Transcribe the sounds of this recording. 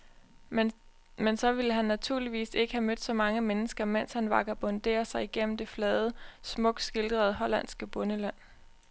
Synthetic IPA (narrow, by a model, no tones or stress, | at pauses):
mensɒ̽ʋiləɦænːæt͡sʰuɐ̰liʋḭːse̝ɡ̥əhæmød̥sɒ̽mɑ̈ŋəmenəsɡ̥ɐmen̰shænʋɑ̈ɡ̥ɐb̥ɒ̽nd̥e̝̰ːɐsɑ̈ɪiɡ̥en̰m̩d̥e̝flɛːð̞ˠəsmɔ̽ɡ̥sɡ̥e̝ld̥ʁɐð̞̩ˠɦɒ̽læn̰sɡ̥əb̥ɔ̽nəlæn̰